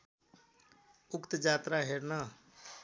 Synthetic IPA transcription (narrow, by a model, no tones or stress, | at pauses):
ʊkt̪d͡ʒaːt̪ɾaɦeɾna